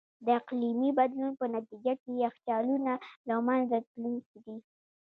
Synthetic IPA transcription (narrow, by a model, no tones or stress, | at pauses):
d̪əɪqlimibad̪lunpənat̪id͡ʒakejaxt͡ʃɑlunalamanzat̪lunkid̪i